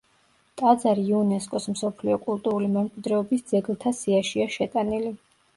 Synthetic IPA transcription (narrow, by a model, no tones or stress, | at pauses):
t̪ʼad̪zaɾiːunɛskʼɔsmsɔpʰliɔkʼulˠt̪ʼuɾulimɛmkʼwid̪ɾɛɔbisd̪zɛɡlˠt̪ʰasiaʃiaʃɛt̪ʼanili